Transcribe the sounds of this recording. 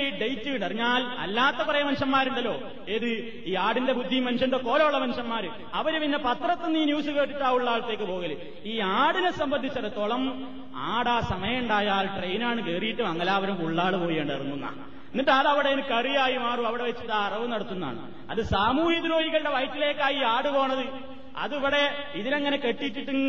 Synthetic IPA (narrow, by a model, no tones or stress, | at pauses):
ɖejtːɨɳɖɐriɲːaːlɐ̰lːaːt̪ːepːɐrɐjɐmɐnʂɐmːaːɾuɳɖɐlːo̞ː | eːðɨ | iːaːɽinde̞bud̪ʱːimɐnʂɐnɖeko̞ːlɐuɭːɐmɐnʂɐmːaːɾɨ | ɐʋɐɾupinːɐpɐt̪rɐt̪ːenːiːnjuːsɨke̞ːʈːiʈːaːuɭːaːɭɐt̪ːe̞ːkːɨpo̞ːɣɐlu | iːaːɽinesɐmbɐnd̪ʱit͡ɕːɐret̪oɭɐm | aːɽaːsɐmɐjɐuɳɖaːjaːlʈrejnaːɳɨkeːrijiʈːumɐŋːɐlaːʋɐɾumkuɭːaːɽɨpo̞ːjeːɳɖɐrunːunːɐ̰ | nːiʈaːlɐʋiɽeenɨkɐrijaːjimaːruɐʋiɽe̞ʋet͡ɕːiʈːaːrɐʋɐnɐɽɐt̪ːunːa̰ːɳɨ̰ | ɐ̰ðɨsaːmuːhid̪ɾo̞ːhiɣɐɭɽe̞ʋɐjtːile̞ːkːaːjiːaːɽɨpo̞ːɳɐðɨ | ɐ̰ðuʋiɽeiðineŋːɐne̞ke̞ʈːitːiʈːɨ